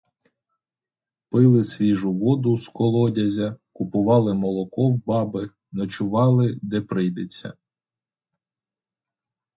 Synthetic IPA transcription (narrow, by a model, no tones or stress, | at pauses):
pɪlˠɪsʲʋʲiʒʊʋɔd̪ʊskɔlˠɔdʲɐzʲɐkʊpʊʋɑlˠɪmɔlˠɔkɔwbɑbɪ | nɔt͡ʃʊʋɑlˠɪd̪ɛpɾɪjd̪et͡sʲːɐ̰